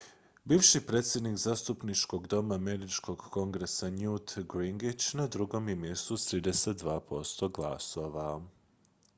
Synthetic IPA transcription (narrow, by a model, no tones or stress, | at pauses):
biːʋʃipɾeːt̪sje̞d̪nikzaːst̪upnit͡ʃko̞ɡd̪o̞mameɾit͡ʃko̞ɡko̞ŋɡɾesanjut̪ɡɾiŋɡit͡ɕnad̪ɾuɡo̞mjemje̞st̪ut̪ɾiːd̪eset̪̚d̪ʋaːpo̞st̪o̞ɡlˠa̰so̞ʋa